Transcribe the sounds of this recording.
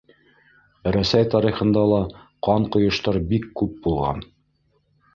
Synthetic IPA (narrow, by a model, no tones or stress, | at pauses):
ɾæsæjt̪ɑɾiχɤ̆nd̪ɑlˠɑqɑɴqŏjŏʃt̪ɑɾbikːʉp̚bulˠʁɑ̰n